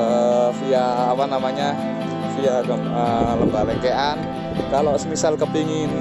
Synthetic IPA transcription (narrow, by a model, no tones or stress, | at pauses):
əfiaːpanamaɲa | fiaɡəmələmbalekeʔan | kalosəmisalkəbiŋɪn